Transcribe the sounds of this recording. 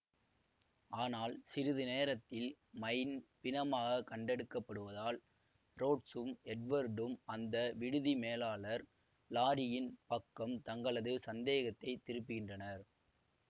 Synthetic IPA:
aːnaːlsɪɾɯðɯneːɾɐt̪ːɪl | mɐjnpɪnɐmaːɣɐkɐɳɖɛɽɯkːɐpːɐɽɯʋɐðaːl | ɾoːʈsɯmɛʈ̚ʋɐɾɖɯmʔɐnd̪ɐʋɪɽɯðimeːlaːɭɐɾ | laːɾɪjɪnpɐkːɐmt̪ɐŋɡɐɭɐðɯsɐnd̪eːɣɐt̪ːɐɪt̪ːɪɾɯpːɯɣɪndrɐnɐɾ

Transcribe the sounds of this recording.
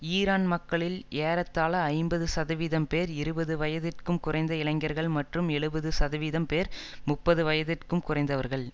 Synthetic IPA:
iːɾaːnmɐkːɐɭɪleːɾɐt̪ːaːlɐɐɪmbɐðɯsɐðɐʋiːðɐmpeːɾɪɾɯbɐðɯʋɐjɐðɪrkɯmkʊrɐɪnd̪ɐɪɭɐŋɡɐɾɣɐɭmɐʈrɯmɛɭɯbɐðɯsɐðɐʋiːðɐmpeːɾ | mʊpːɐðɯʋɐjɐðɪrkɯmkʊrɐɪnd̪ɐʋɐɾɣɐɭ

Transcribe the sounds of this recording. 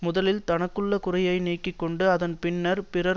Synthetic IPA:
mʊðɐlɪlt̪ɐnɐkːɯɭːɐkʊrɐjɐɪniːkːɪkːɔɳɖɯɐðɐnpɪnːɐɾpɪrɐ

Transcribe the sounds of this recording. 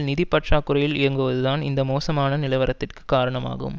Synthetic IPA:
lnɪðipːɐʈʂaːkːɯɾɐjɪlɪɾɐŋɡɯʋɐðɯðaːnɪ̰nd̪ɐmoːsɐmaːnɐnɪlɐɪʋɐɾɐt̪ːɪrkɯ̥kaːɾɐɳɐma̰ːɣɯ̰m

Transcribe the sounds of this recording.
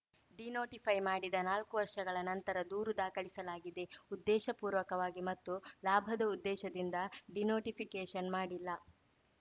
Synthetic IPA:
ɖinoːʈipʰɐjmaːɽid̪ɐnaːlkuʋɐɾʂɐɡɐɭɐnɐnt̪ɐɾɐd̪uːɾud̪aːkɐɭisɐlaːɡid̪e̞ud̪ːɛːʃɐpuːɾʋɐkɐʋaːɡimɐt̪ːulaːbʱɐd̪ɐud̪ːɛːʃɐd̪ind̪ɐɖinoːʈipʰikeːʃɐnmaːɽilːɐ

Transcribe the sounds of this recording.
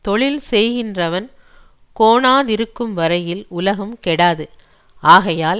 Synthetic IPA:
t̪ɔɭɪlsɛjɣɪndrɐʋɐn | koːnaːðɪɾɯkːɯmʋɐɾɐjɪlʊlɐɣɐmkɛɽaːðɯ | ʔaːɣɐjaːl

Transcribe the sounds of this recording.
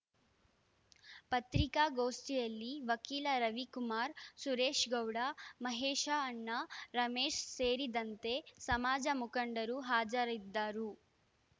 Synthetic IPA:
pɐt̪ɾikaːɡoːst̪ijɐlːiʋɐkiːlɐɾɐʋikumaːɾsuɾeːʃɡɐwɽamɐɦeːʃaːnːɐɾɐmeːʃseːɾid̪ɐnt̪e̞sɐmaːd͡ʒɐmukɐɳɖɐɾuɦaːd͡ʒɐɾid̪ːaːɾu

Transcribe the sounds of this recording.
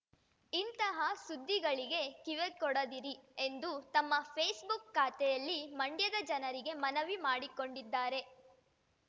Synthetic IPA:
int̪ɐɦɐsud̪ʱːiɡɐɭiɡe̞kiʋekɔɽɐd̪iɾiend̪ut̪ɐmːɐpʰeːsbukːaːt̪ɛjɐlːimɐɳɖjɐd̪ɐd͡ʒɐnɐɾiɡe̞mɐnɐʋimaːɽiko̞ɳɖid̪ːaːɾe̞

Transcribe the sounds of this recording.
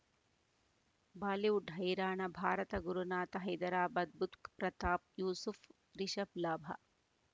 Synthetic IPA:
baːliwɖʱɐjɾaːɳɐbʱaːɾɐt̪ɐɡuɾunaːt̪ɐɦɐjd̪ɐɾaːbɐd̪̚but̪kpɾɐt̪aːp̚juːsuf | ɾiʃɐblaːbʱɐ̰

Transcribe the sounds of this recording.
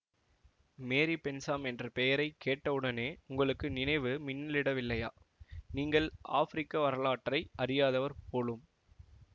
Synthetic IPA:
meːɾipɛnsaːmɛndrɐpɛjɐɾɐɪkːeːʈːɐʋɯɽɐneːʊŋɡɐɭɯkːɯnɪnɐɪʋɯmɪnːɐlɪɽɐʋɪlːɐjaː | niːŋɡɐɭʔa̰ːfɾɪkːɐʋɐɾɐlaːʈːrɐɪʔɐɾɪjaːðɐʋɐɾpoːlɯm

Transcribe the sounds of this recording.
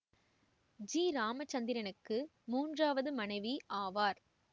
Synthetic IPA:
d͡ʒiːɾaːmɐt͡ʃːɐnd̪ɪɾɐnɯkːɯ | muːndraːʋɐðɯmɐnɐɪʋiʔaːʋaːɾ

